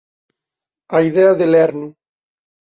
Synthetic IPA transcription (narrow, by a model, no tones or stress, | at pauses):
aiðɛaðelɛɾnu